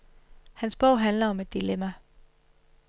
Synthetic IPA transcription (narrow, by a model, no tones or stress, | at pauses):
hænsb̥ɔʊ̰ɦænlɐɒ̽me̝d̥ːilemæ